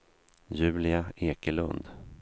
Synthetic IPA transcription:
jʉ̟ːlɪaeːkəlɵ̰nd̪

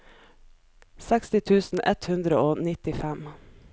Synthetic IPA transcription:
sɛkst̪ɪt̪ʰʉːsn̩ʔɛt̪hʉnd̪ɾəoːnɪt̪ɪfɛm

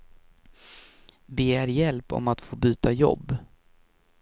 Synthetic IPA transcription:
beːæɾjɛlpɔ̰mat̪foːbyːt̪ajɔ̰bː

